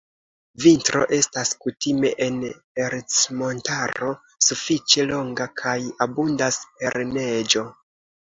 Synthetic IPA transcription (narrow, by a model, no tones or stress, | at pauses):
vintɾo̞̰ʔe̞staskutime̞ʔen | eɾt͡smo̞ntaɾo̞ | sufit͡ʃe̞lo̞ŋɡakʰajabundaspe̞ɾne̞d͡ʒo̞